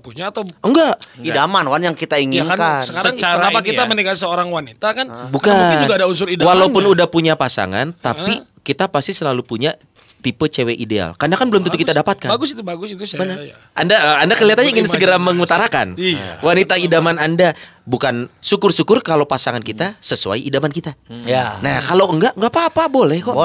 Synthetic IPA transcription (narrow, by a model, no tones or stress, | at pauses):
puɲaːt̪awəŋɡaʔidamanwanjaŋkit̪aiŋikankansəkaɾaŋaəaapakit̪amənikasəoɾaŋwanit̪akanbukad͡ʒɡadaunsʊɾidawalapʊnudahpuɲapasa̰ŋa̰nt̪a̰pikit̪apast̪isəlalupuɲa | t̪ipət͡ʃeweʔidea̰lkarnakanbəlʊmt̪unukit̪adapat̪̚kanbaɡʊsit̪ubaɡʊsit̪ubəna | ʔandaəandakəliɦat̪anɲaiŋɪnsəɡəɾaməŋut̪aɾakanwanit̪aidamanandabukansukʊrsukʊrkalowpasaŋankit̪asəsua̰jidamankit̪aanakaloəŋɡaʔŋɡaʔpapabolɛhkɔʔ